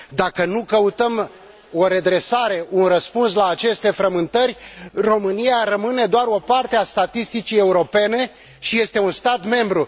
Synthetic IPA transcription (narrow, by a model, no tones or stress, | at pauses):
d̪akənukəut̪əm | o̞ɾe̞d̪ɾe̞saɾe̞ʔunrəspunslaːt͡ʃe̞st̪e̞fɾəmɨnt̪ərʲro̞mɨnijaɾəmɨne̞d̪oaɾo̞part̪east̪at̪ist̪it͡ʃije̞uɾo̞pe̞ne̞ | ʃije̞st̪e̞unst̪at̪me̞mbɾu